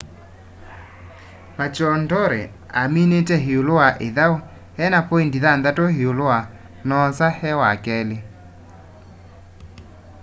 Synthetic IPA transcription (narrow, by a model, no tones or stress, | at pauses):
mat͡ʃɔndɔɾɛ | aminetɛɦeoloaʔeðao | hɛnapoendiðanðatoheoloa | nɔsahɛwakɛle